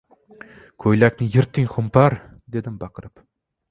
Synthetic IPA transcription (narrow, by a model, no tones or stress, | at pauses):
kʲʰɵjlækʲnɪjɪɾt̪ʰːɪŋχʊmpʰɑɾ | d̪ed̪ɪmbɑqəɾɨp